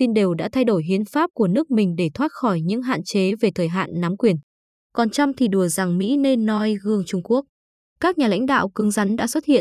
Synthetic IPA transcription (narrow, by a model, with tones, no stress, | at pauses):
t̪i˧nɗe˨˩wɗa̰ː˧˥t̪ʰa˧jɗo˧˩jɦi˨˦ənfaː˦˥p̚ku˧˩ənɨ˦˥ək̚mï˨˩ŋ̟ɗe˧˩t̪ʰwaː˦˥t̚xɔ˧˩jɲɨ̰˧˥ŋɦa̰ː˧˨nt͡ɕe˨˦ve˨˩t̪ʰəː˨˩jɦa̰ː˧˨nːa˨˦mkwi˨˩ən | kɔ˨˩nt͡ɕa˧wmt̪ʰi˨˩ɗu˧˩əza˨˩ŋmḭ˧˥ne˧nːɔ˨˦jɣɨ˧˩əŋt͡ɕʊ˧ŋ͡mku˦˥ək̚ | kaː˦˥k̚ɲaː˨˩la̰˧˥ŋ̟ɗa̰ː˧˨wkɨ˨˦ŋza˨˦nɗa̰ː˧˥swə˦˥t̚hḭ˧˨ə˨n